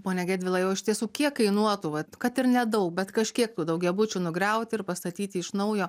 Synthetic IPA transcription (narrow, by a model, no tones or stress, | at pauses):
poːnʲɛɡʲæːdʲʋʲɪlˠɐjɛʊɪʃʲt̪ʲiɛsuːkʲiɛkɐɪnuɔt̪uʋɐkɐt̪ɪɾnʲɛd̪ɐʊk̚bʲɛt̪kɐʃʲkʲiɛk̚t̪uːd̪ɐʊkɡʲɛbʊt͡ʃʲunʊɡɾʲɛʊt̪ʲɪɪrpɐst̪ɐt̪ʲiːt̪ʲɪɪʃnɐʊjoː